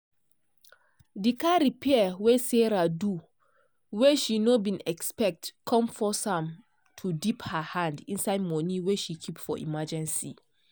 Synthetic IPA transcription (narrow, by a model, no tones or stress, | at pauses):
dikaɾipʰɛweseɹadu | weʃinobĩnɛkspɛk̚tkʰɔ̃mfɔsãm | tʰudiphahãndĩnsaɪdmɔniweʃikʰipfɔ̰ʔḭmad͡ʒɛ̃nsḭ